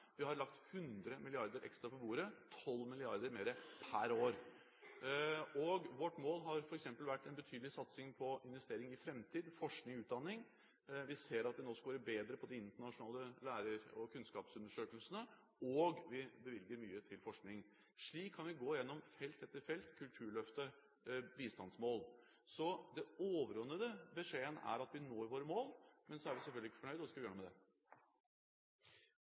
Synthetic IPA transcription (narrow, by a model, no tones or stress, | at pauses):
ʋɪhɑɾɭɑk̚t̪hʉnd̪ɾəmɪlɪɑɾd̪əɾʔɛ̰kst̪ɾɑpɔbuːɾət̪ʰɔlmɪlɪɑɾd̪əɾmeːɾəpʰæɾoːɾ | ɔɡʋɔʈːmoːlɦɑɾfɔɾɛksɛmpəlʋæʈːɛnbət̪ʰyːd̪l̩ɪsɑt̪sɪŋpʰɔɪnʋɛst̪eːɾɪŋɪfɾɛmt̪ʰiːd̪fɔʂknɪŋʉːt̪̚d̪ɑnːɪŋ | ʋɪseːɾɑt̪̚d̪ɛnoːskɑʋøːɾəbeːd̪ɾəpʰɔd̪ɪɪnt̪əɳɑʂʊnɑːləlæːɾəɾɔkʰʉnskɑːpsʉnd̪əʂøːkəlsənə | ɔɡʋɪbəʋɪlɡəɾmyːət̪ʰɪlfɔʂknɪŋ | ʂɭiːkʰːɑnʋɪɡoːɪjɛnːɔmfɛlt̪ɛt̪ːəɾfɛlt̪kʰʉlt̪ʰʉːɾɭœft̪ə | biːst̪ɑnsmoːl | sɔd̪ɛoːʋəɾɔnːəd̪əbəʂeːənæ̰ɾɑt̪ʋɪnoːɾʋoːɾəmoːlmɛnsɔæɾʋɪsɛlfœlɡ̪ɪkːəfɔɳœʏd̪ɔskɑʋjøːɳumɛd̪ɛ